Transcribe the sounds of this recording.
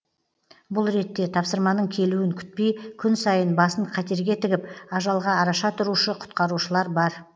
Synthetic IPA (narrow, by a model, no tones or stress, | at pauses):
bʊlˠɾe̞t̪ːe̞t̪ʰɑpsəɾmɑnəɴkʲʰe̞luwɪŋkʲʰʏ̥t̪̚pe̞jkʲʰʏnsɑjənbɑsəɴqʰɑt̪e̞ɾɡʲe̞t̪ɪɡʲɪpɑʒɑlˠʁɑːɾɑʃɑt̪ʰʊɾuʃəqʰʊ̥t̪̚qɑɾuʃəlˠɑɾbɑɾ